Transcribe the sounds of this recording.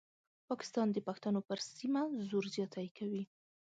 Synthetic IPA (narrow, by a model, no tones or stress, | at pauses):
pɑkɪ̥st̪ɑnd̪əpaxt̪anopəɾsimazoɾzjɑt̪ajkʰawi